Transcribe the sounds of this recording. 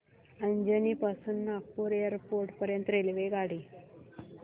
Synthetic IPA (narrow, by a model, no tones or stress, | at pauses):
əɲd͡ʑəniːpasuːnːak̚puːɾejəɾpoɾʈpəɾjənt̪ɾelʋeɡaɽiː